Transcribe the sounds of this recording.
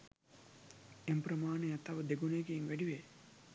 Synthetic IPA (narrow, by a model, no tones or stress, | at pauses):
emprɐmaːnejat̪ɐʋəd̪eɡuneɡeːŋʋæɖiʋe